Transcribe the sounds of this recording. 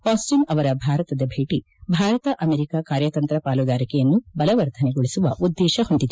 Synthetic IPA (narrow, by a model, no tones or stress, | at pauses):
paːsʈinɐʋɐɾɐbʱaːɾɐt̪ɐd̪ɐbʱeːʈi | bʱaːɾɐt̪ɐʔɐmeːɾikaːkaːɾjɐt̪ɐnt̪ɾɐpaːlud̪aːɾikɛjɐnːubɐlɐʋɐɾd̪ʰʱɐneɡoɭisuʋɐʔud̪ːɛːʃɐhuɳɖid̪e